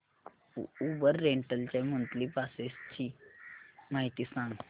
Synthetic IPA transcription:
ubəɾːeɳʈəlt͡ɕamunt̪liːpasest͡ɕiː | maɦit̪iːsãŋɡ

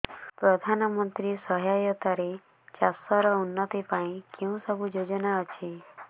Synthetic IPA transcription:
pɾɔd̪ʱanɔmɔnt̪ɾisɔɦjajɔt̪aɾe | t͡ʃasɔɾɔunːɔt̪ipaĩkeũsɔbud͡ʒod͡ʒɔnaɔt͡ʃʰi

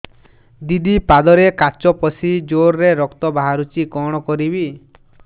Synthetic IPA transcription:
d̪id̪ipad̪ɔɾekat͡ʃɔpɔsid͡ʒoɾɾeɾɔkt̪ɔbaɦaɾut͡ʃikɔɽ̃ɔkɔɾibi

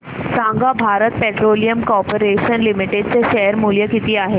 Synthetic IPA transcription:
sãŋɡabʱaɾət̪̚peʈɾolijəmkɔɾpəɾeɕənlimiʈeɖ̚t͡seɕɛɦəɾmuljəkit̪iːaɦe

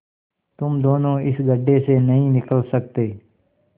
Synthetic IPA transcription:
t̪ʊmd̪oːnõːɪsɡəɖːeːsenəɦĩːnɪkəlsək̚t̪eː

